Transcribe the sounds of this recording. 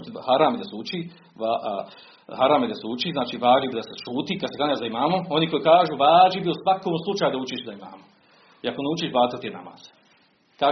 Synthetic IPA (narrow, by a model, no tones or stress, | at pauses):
t̪haɾaːmed̪asut͡ʃiː | a | haɾaːmed̪asut͡ʃiːznaːt͡ʃiːʋaːd͡ʒibid̪aseʃuːt̪ikad̪sekanazd̪aimaːmoo̞niko̞jikaːʒuːʋaːd͡ʒibiosʋakoːmslˠut͡ʃaːjud̪aut͡ʃiʃd̪aima̰ːmo | iakoneut͡ʃiːʃbaːt̪at̪ijena̰ma̰ːz̥ | kaː